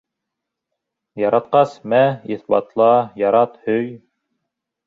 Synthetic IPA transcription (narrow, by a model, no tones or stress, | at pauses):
jɑɾɑt̪̚qɑsmæiθbɑ̰t̪lˠɑjɑɾɑt̪hɵj